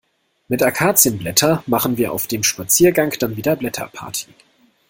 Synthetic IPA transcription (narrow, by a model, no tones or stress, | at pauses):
mɪtʔakʰaːt͡sjənblɛtʰɐmaχənviːɐʔa̰ʊfd̥eːmʃpat͡siːɐɡaŋkd̥anviːdɐblɛtʰɐ̰pʰa̰ɐtʰi̥